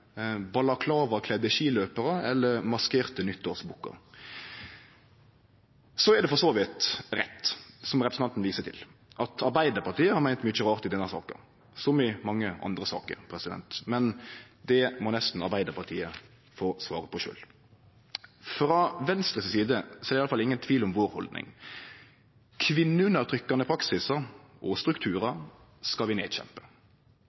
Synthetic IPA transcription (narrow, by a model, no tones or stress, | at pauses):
bɑlɑkʰlɑːʋəkʰlɛd̪əʃiːløːpəɾəɛ̰lːəɾmɑskeːʁt̪ənʏt̪ʰːoːsbuːkːə̰ɾ | sɔɛɾd̪ɛfɔsoːʋɪt̪ɾɛt̪ːsɔmʁɛpɾəsn̩ɑnt̪n̩ʋiːsət̪ʰɪ̰lʔɑt̪ʰɑɾbæɪd̪əpɑʁt̪iːəhɑɾmæɪnt̪myt͡ʃəɾɑːʁt̪ɪd̪ɛnːəsɑ̰ːkə̰ɾ | sɔmɪmɑŋːəʔɑ̰nd̪ɾəsɑ̰ːkə̰ɾpʰɾɛsɪd̪ɛ̰nt̪mɛn | d̪ɛmɔnɛst̪n̩ɑbæɪd̪əpʰɑʁt̪ʰiːə | foːsʋɑ̰ːɾəpʰɔʃø̰ːl | fɾɑʋɛnst̪ʁəssiːd̪əsɔɛɾɪɑləfɑlɪŋːənt̪ʰʋiːlɔmʋoːɾhɔld̪nɪ̰ŋ | kʰʋɪnːəʉnəʁt̪ʰɾʏkːɑnəpʰɾɑksɪsəɔst̪ɾʉkt̪ʰʉːʁə | skɑlʋɪneːd̪ɕɛ̰mpə̥